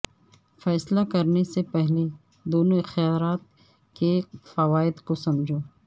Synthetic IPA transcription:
fɛːslakɐɾnesepɛɦle | d̪oːnoɪxjaːɾaːt̪̚ | kefɐʋaːɪd̪kosɐmd͡ʒʱoː

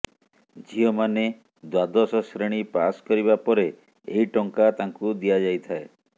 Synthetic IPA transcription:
d͡ʒʱijɔmane | d̪wad̪ɔsɔsɾeɽ̃ipaskɔɾiβapɔɾe | eɦiʈɔŋkat̪aŋkud̪ijad͡ʒajt̪ʰae

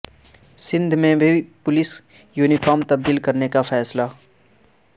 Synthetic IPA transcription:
sɪ̃nd̪ʱmẽbʱipʊlɪs | juːnifʰaːɾmt̪ɐb̚d̪iːlkɐɾnekafʰɛːsla

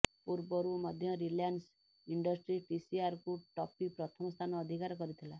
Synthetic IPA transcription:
puɾbɔɾumɔd̪ʱjɔɾiljans | iɳɖɔsʈɾiʈisiaɾkuʈɔpipɾɔt̪ʰɔmɔst̪ʰanɔːd̪ʱikaɾɔkɔɾit̪ʰila

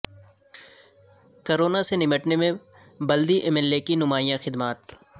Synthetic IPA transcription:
koːɾoːnasenɪməʈnemẽ | bɐld̪iʔɛmɛːlːekinʊmaːjãxɪd̪maːt̪

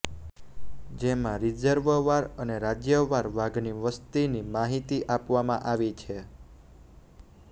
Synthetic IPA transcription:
d͡ʒemãɾid͡ʒəɾʋəʋaɾəneɾad͡ʒjəʋaɾʋaɡniʋəst̪inimaɦit̪iʔapʋamã̰ʔaʋit͡ʃʰe

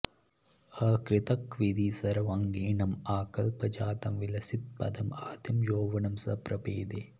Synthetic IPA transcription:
ɐkɾɪt̪ɐkʋid̪isɐɾɐʋɐŋɡiːnɐmaːkɐlpɐd͡ʒaːt̪ɐmʋilɐsit̪̚pɐ̰d̪ɐmaːd̪jɐmjoːʋɐnɐmsɐpɾɐpeːd̪e

